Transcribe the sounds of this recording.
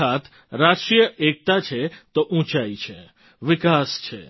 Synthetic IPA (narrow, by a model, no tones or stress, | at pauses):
at̪ | ɾasʈɾijəʔek̚t̪at͡ʃʰet̪oʔũt͡ʃait͡ʃʰḛ | ʋɪkast͡ʃʰḛ